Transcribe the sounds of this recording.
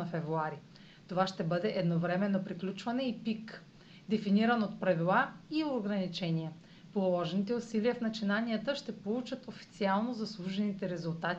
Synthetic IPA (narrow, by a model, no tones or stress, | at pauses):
nɐfɛvɾuaɾi | t̪ovaʃt̪ɛbɤd̪ɛʔɛd̪novɾɛmɛnːopɾiklʲut͡ʃvɐnɛipik | d̪ɛfiniɾənot̪pɾɐvilˠaioɡɾɐnit͡ʃɛniɛ | polˠolˠɔʒɛnit̪ɛusiliəfnɐt͡ʃinaniət̪əʃt̪ɛpolˠut͡ʃət̪ofi̥t̪sialˠnozɐslˠuʒɛnit̪ɛɾɛzulˠt̪at̪i